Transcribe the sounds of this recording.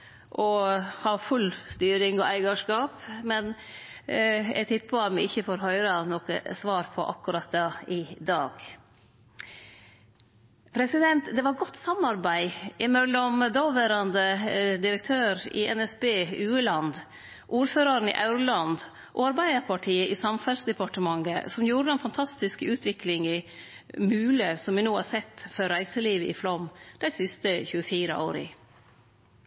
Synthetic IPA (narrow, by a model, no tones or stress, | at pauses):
ʔɔhɑːfʉlst̪yːɾɪŋɔʔæɪɡɑʂkɑːpmɛn | ɛ̰ɡt̪ʰɪpːɑmɛɪçːəfɔɾɦœʏɾɑnɔkə̰sʋɑːɾpʰɔ̰ʔɑ̰kːʉɾɑt̪̚d̪ɑɪd̪ɑːɡ̥ | pʰɾɛsɪd̪ɛnt̪d̪ɛʋɑɾɡɔt̪ːsɑmɑɾbæɪʔɪmɛlːɔmd̪oːʋæːɾɑnd̪əd̪ɪɾək̚t̪ʰøːɾɪ̰ʔɛ̰nɛsbeːʉːəlɑnd̪ | ʔuːɾføːɾɑɾn̩ɪ̰ʔaʉɾʊlɑnd̪ | ʔɔ̰ɑɾbæɪd̪əɾpʰɑʈʰiːəʔɪsɑmfɑsd̪ɛpɑʈəmɑŋːə̰sɔmjuːɾəɛnfɑnt̪ʰɑst̪ɪskəʉːt̪ʰʋɪklɪŋɪ | mʉːləsɔmʋɪnuːhɑɾsɛt̪ːfɔɾːæɪsəliːʋəʔɪ̰flɔmd̪̥æɪsɪst̪əçʉːəfiːɾə̰ʔo̰ːɾɪ̰